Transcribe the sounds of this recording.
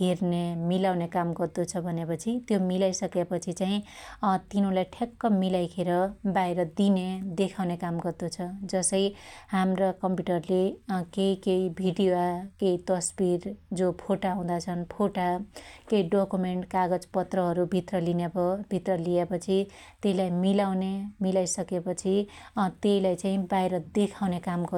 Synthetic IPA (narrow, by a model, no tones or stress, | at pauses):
ɦernemilawnekamɡʌrd̪ut͡sʰʌbʱʌnepʌt͡sʰit̪jomilajsʌkepʌt͡sʰit͡saĩt̪inõlajʈʰekːʌmilajkʰeɾʌbajɾʌd̪ined̪ekʰawnekamɡʌrd̪ot͡sʰʌd͡zʌsʌjhamrakʌmpjuʈʌrlekeikeibʱiɖijoakeit̪ʌsbiɾd͡zopʰoʈaɦũd̪at͡sʰʌnpʰoʈakejɖokumeɳʈkaɡʌd͡zpʌt̪rʌɦʌɾubʱit̪rʌlinebʌbʱit̪rʌliepʌt͡sʰi | t̪eilajmilawnemilajsʌkepʌt͡sʰit̪eilajt͡saĩbajɾʌd̪ekʰawnekamɡʌ